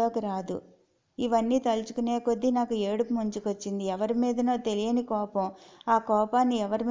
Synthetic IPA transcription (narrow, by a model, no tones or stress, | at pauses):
o̞ːkiɾaːd̪ṵ | iʋɐnːiːt̪ɐlut͡ʃu̥kune̞ːko̞d̪ːinaːkue̞ːɽumuɲt͡ʃukot͡ʃːind̪iɛʋɐɾimiːd̪ɐnoːt̪e̞lijɐnikɔːpɐmaːkɔːpaːnːiɛʋɐɾim